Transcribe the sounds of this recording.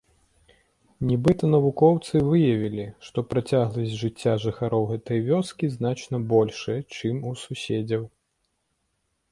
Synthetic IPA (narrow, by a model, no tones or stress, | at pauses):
nʲibɨt̪ɐnɐvukɔwt̪sɨvɨjɐvʲilʲiʂt̪ɔpɾat͡sʲaɣlˠɐsʲʐɨt͡sʲːaʐɨxaɾɔwɣɛt̪ɐjvʲɔskʲiznat͡ʂnɐbɔlʲʂɨɛt͡ʂɨmususʲed͡zʲɐw